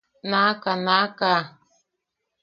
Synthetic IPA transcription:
nakanaka

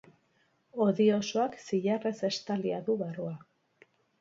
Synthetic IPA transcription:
o̞ðio̞soaksiʎare̞se̞st̪aliaðuβarua

